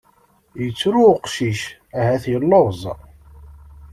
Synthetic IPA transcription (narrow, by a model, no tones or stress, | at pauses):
jət͡sːɾuqʃiʃ | æhæθjəlːɑvzˤ